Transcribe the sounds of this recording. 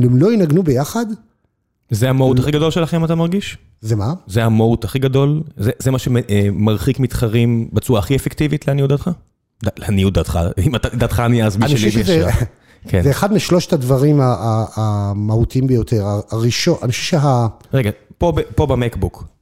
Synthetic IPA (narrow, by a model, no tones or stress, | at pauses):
emlo̞inaɡnubejaχad̪ | zehamautaχiɡad̪o̞lʃelaχimat̪amaʁɡiʃ | zemazehamaut̪aχiɡado̞lzezemaʃeemaʁχikmit̪χaʁimbat͡suaːχiefektivit̪leaniud̪at̪χa | dalaniud̪at̪χa̰imat̪ad̪at̪χaniazbianʃieliɛʃa | kʰenzeeχad̪miʃloʃetadvaʁimaʔaːmahut̪iimbejot̪ʰeʁaaʁiʃoʔanioʃɛʃeɦaʁeɡapo̞bepo̞bemekbuk